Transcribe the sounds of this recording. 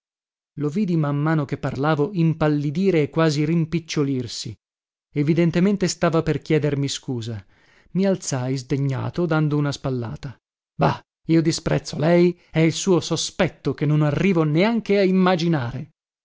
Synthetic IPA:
loviːd̪imamːaːnokepːarlaːvoimpalːid̪iːɾeːkːwaːziɾimpit͡ʃːolirsi | evid̪ent̪ement̪est̪aːvaperkjɛːd̪ermiskuːza | mialt̪sajzd̪eɲːa̰ːt̪od̪and̪ounaspalːa̰ːt̪a | ba | iːod̪ispɾɛ̰t̪sːolɛjɛilsuːosospɛt̪ːok̟enːonarːiːvoneaŋkeaimːad͡ʒinaːɾe

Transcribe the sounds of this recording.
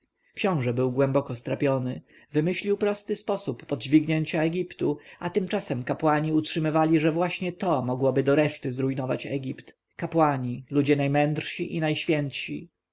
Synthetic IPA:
kɕɔ̃w̃ʐɛbɘwɡwɛmbɔkɔst̪ɾapʲjɔnɘ | vɘmɘɕlʲiwpɾɔst̪ɘspɔsupːɔd̪d͡ʑvʲiɡɲeɲt͡ɕaɛɡʲipt̪uat̪ɘmt͡ʂasɛmkapwaɲiutʂɘmɘvalʲiʐɛvwaɕɲɛt̪ɔmɔɡwɔbɘd̪ɔɾɛʂt̪ɘzɾujnɔva̰t͡ɕɛ̰ɡʲipt̪ | kapwaɲilud͡ʑɛnajmɛnd̪rʂɕiʔinajɕfʲjɛnt̪ɕḭ

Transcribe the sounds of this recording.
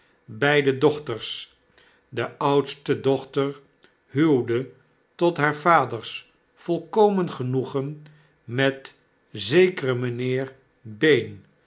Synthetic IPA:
bɛjdədɔχtəɹs | dəʔʌwtstədɔχtəɹ | ɦylˠdə | tɔtɦaːɹvaːdəɹs | fɔlˠkowmənχənuχən | mɛt | zejkərəmənɪːr | bejn

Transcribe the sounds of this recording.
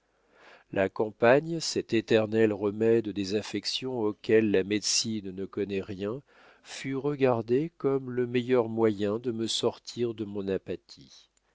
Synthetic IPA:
lʔakɑ̃paɲsɛt̪et̪ɛʁnɛlʁəmɛd̪d̪ezafɛksjɔ̃okʲɛlːamɛd̪sinnəkɔnɛʁjɛ̃ | fyʁəɡaʁd̪ekɔmləmɛjœʁmwajɛ̃d̪əməsɔʁt̪ʰiʁd̪əmɔ̃napat̪ʰi

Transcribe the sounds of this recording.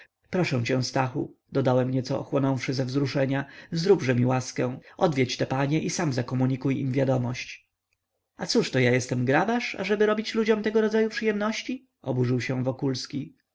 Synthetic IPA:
pɾɔʂɛ̃w̃t͡ɕɛ̃w̃st̪axṵd̪ɔd̪awɛmɲɛt̪sɔɔ̰xwɔnɔ̃w̃fʂɘzɛvzɾuʂɛɲazɾubʐɛmʲiwaskɛ̃w̃ʔɔd̪vʲjɛt͡ɕt̪ɛpaɲɛʔisamzakɔmuɲikujḭmvʲjad̪ɔmɔɕt͡ɕ | at̪suʂt̪ɔjajɛst̪ɛmɡɾabaʂa̰ʐɛbɘɾɔbʲit͡ɕlud͡ʑɔmt̪ɛɡɔɾɔd̪zajupʂɨjɛmnɔɕt͡ɕi | ɔbuʐɘwɕɛ̃vɔkulskʲi

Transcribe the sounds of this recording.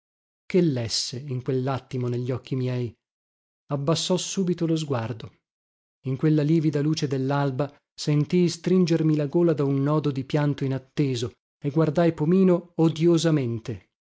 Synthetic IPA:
kelːɛsːeiŋkwelːat̪ːimoneʎːɔkːimjɛj | abːasːɔsːuːbit̪olozɡward̪o | iŋkwelːaliːvid̪aluːt͡ʃed̪elːalba | sent̪ijst̪ɾind͡ʒermilaɡoːlad̪aunːɔːd̪od̪ipjant̪oinat̪ːeːzo | eɡward̪ajpomiːnood̪jozament̪e

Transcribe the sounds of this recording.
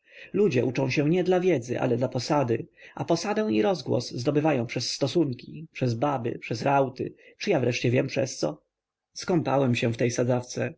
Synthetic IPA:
lud͡ʑɛʔut͡ʂɔ̃ɕɛ̃ɲɛd̪lavʲjɛd̪zɘ̰ʔa̰lɛd̪lapɔsad̪ɘa̰pɔsad̪ɛ̃w̃iɾɔzɡwɔ̰szd̪ɔbɘvajɔ̃w̃pʂɛsːt̪ɔsuŋkʲipʂɛzbabɘ̰pʂɛsɾawt̪ɘ̰t͡ʂɨjavɾɛʂt͡ɕɛvʲjɛmpʂɛst̪sɔ̰ | skɔmpa̰wɛmɕɛ̃ft̪ɛjsad̪zaft̪sɛ

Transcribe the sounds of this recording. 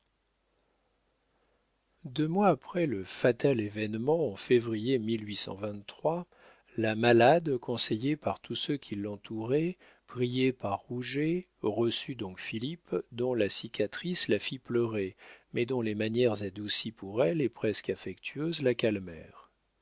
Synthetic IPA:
d̪ømwaːpχɛləfat̪alevɛnmɑ̃ɑ̃fevʁijemilɥisɑ̰̃vɛ̃nt̪t̪χwa | lamalad̪kɔ̃sejepaʁt̪ʰusøkʲʰilːɑ̃t̪ʰuʁɛ | pχijepaʁːuʒe | ʁəsyd̪ɔ̃kfilipd̪ɔ̃lasikʲʰat̪χislafiplœʁemɛd̪ɔ̃lemanjɛʁzad̪usipʰuʁɛlepχɛskafɛkt̪ʰyøzlakalmɛ̰ːʁ

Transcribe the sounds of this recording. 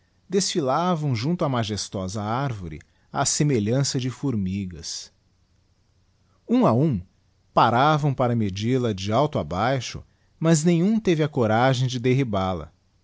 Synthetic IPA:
d̪esfilavɐ̃w̃ʒũnt̪ʊɐmaʒest̪ɔzɐaɾvoɾɪ̰ | aːsemeʎɐ̃sɐd͡ʒɪfuɾmiɡɐs | ũɐũ | paɾavɐ̃w̃paɾɐmed͡ʒilɐd͡ʒɪawt̪ʊabajʃʊ̰ | mɐznẽj̃ũt̪evɪɐkoɾaʒẽj̃d͡ʒɪd̪eɦibalɐ̰

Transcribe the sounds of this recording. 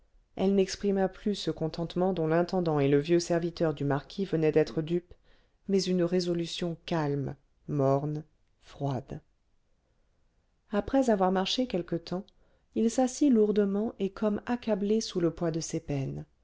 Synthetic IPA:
ɛlnɛkspχimaplysəkɔ̃t̪ɑ̃t̪mɑ̃d̪ɔ̃lɛ̃t̪ɑ̃d̪ɑ̃eləvjøsɛʁvit̪œʁd̪ymaʁkʲʰivənɛd̪ɛt̪χəd̪yp | mɛzynʁezɔlysjɔ̃kalm | mɔʁn | fχwad̪ | apχɛzavwaʁmaʁʃekʲɛlkət̪ɑ̃ | ilsasiluʁd̪əmɑ̃ʔekʰɔmakablesuləpwad̪əsepɛn

